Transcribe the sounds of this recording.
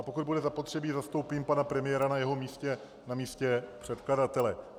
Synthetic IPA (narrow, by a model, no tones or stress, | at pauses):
po̞kud̪̚budɛzapo̞t̪r̥ɛbiːzast̪o̞wpiːmpanapɾɛmɪjɛːɾanajɛɦo̞miːscɛ | namiːscɛpr̥ɛt̪kladat̪ɛlɛ